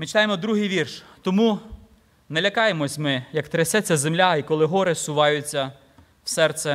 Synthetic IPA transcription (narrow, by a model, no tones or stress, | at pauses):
mɪt͡ʃɪ̥t̪ɑjemɔd̪ɾuɦɪjʋʲirʃt̪ɔmu | nɛlʲɐkɑjemɔsʲmɪjɐkt̪ɾɐsʲɛt͡sʲːɐzemlʲaikɔlˠɪɦɔɾɪsʊʋɑjʊt͡sʲːɐ | wsɛrt̪sɛ